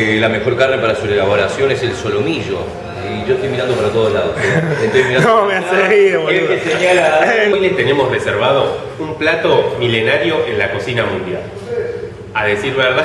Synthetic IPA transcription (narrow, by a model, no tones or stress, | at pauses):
lame̞xo̞ɾkarnepaɾasurelaβoɾasjo̞ne̞se̞lso̞lomiʒo̞ | iʒo̞et̪ojmiɾand̪opaɾat̪o̞ð̞oslaðoent̪ojmiɾanomeaseiekeseɲalaojlest̪e̞ne̞mo̞sre̞seɾβ̞að̞o̞ | umplat̪o̞mile̞naɾjo̞ʔenlako̞sinamũnd̪ja̰l | aðe̞siɾβeɾða